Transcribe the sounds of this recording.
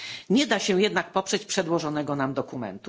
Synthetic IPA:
ɲɛd̪aɕɛjɛd̪nak̚pɔpʂɛt͡ɕpʂɛd̪wɔʐɔnɛɡɔnamd̪ɔkumɛ̰nt̪u

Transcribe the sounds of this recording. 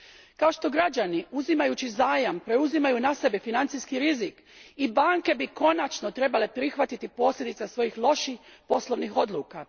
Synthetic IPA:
kao̞ʃt̪o̞ɡɾad͡ʑaniuzimajut͡ɕizaːjampɾe̞uzimajunase̞befinant̪siskiɾizik | ibaŋke̞biko̞nat͡ʃnot̪ɾe̞bale̞pɾixʋat̪it̪ipo̞ːslʲed̪it̪sasʋo̞jixlˠo̞ʃixpo̞slo̞ʋnixo̞d̪lˠuːka

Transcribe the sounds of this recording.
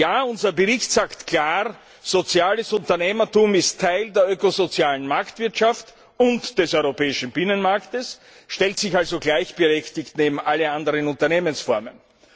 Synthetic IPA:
jaːʊnzɐbəʁɪçtz̥aːktkʰl̥aːʁ | z̥ot͡sjaːləsʊntɐneːmɐtuːmɪstʰːaɪldeːɐʔøːkozot͡sjaːlənmaɐktv̥ɪɐtʃaft | ʊntd̥ɛsɔʏʁopɛːɪʃn̩bɪnənmaɐktəs | ʃtɛltsɪçalzoɡlaɪçb̥əʁɛçtɪçtneːbm̩ʔaləʔandəʁənʊntɐneːmənsfɔɐmə̰n

